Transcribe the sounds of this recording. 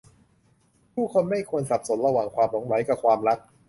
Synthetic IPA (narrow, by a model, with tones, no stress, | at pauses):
p̪ʰuː˥˩kʰo˧nma˥˩jkʰu˧ənsa˨˩p̚so˩˦nɾa˧waː˨˩ŋkʰwaː˧mlo˩˦ŋwa˩˦jka˨˩kʰwaː˧mɾa˦˥k̚